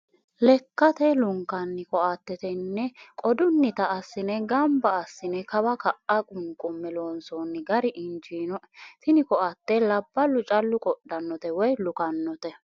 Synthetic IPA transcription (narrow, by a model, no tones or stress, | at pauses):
lɛkːɐt̪ɛlʊŋkːɐnːɪkɔʔɐt̪ːɛt̪ɛnːɛkʼɔd̪ʊnːɪt̪ɐːsːɪnɛɡɐmbɐːsːɪnɛkɐbɐkɐʔʔɐkʼʊŋkʼʊmːɛloːnsɔːnːɪɡɐɾɪʔɪnd͡ʒinɔ | t̪ɪnɪkɔʔɐt̪ːɛlɐbːɐlʊt͡ʃʼɐlːʊkʼɔɗːɐnːɔt̪ɛwɔjlʊkɐnːɔt̪ɛ